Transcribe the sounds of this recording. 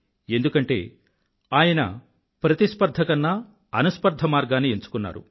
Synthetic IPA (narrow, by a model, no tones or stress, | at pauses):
e̞nd̪ukɐɳʈe̞̰ː | aːjɐnɐ̰ | pɾɐt̪ispɐɾd̪ʱɐkɐnːɐ | ɐnɐspɐɾd̪ʱɐmaːɾɡaːnieɲt͡ʃu̥kunːa̰ːɾṵ